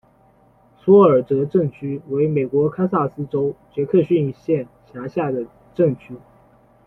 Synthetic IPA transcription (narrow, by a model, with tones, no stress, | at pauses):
sɔ˥ə˞˨˩t̪ɤ˧˥ʈ͡ʂɤ˥˩ŋt͡ɕʰy˥we˧˥ɪme˨˩ɪkwɔ˧˥kʰa˥ɪsa˥˩sɹ̩˥ʈ͡ʂo˥ʊt͡ɕɥɛ˧˥kʰɤ˥˧ɕy˥˧ni˥˧ɕjɛ˥˩nɕʰja˧˥ɕja˥˩d̪ə˩ | ʈ͡ʂɤ˥˩ŋt͡ɕʰy˥